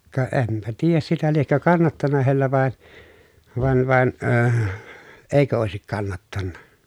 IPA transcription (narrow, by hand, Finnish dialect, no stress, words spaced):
kɑ ʔempæ tiːjæs sitæ liekːø kɑnːɑtːɑnɑ heilːæ ʋɑˑe ʋɑn ʋɑn øːh eˑikø oˑesik kɑnːɑtːɑnːɑ